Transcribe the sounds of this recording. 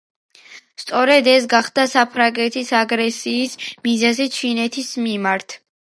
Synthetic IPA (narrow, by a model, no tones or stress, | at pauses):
st̪sʼɔɾɛd̪ɛs̬ɡaχd̪asapʰɾaŋɡɛt̪ʰisaɡɾɛsiːsmizazit͡ʃʰinɛt̪ʰismimaɾt̪ʰ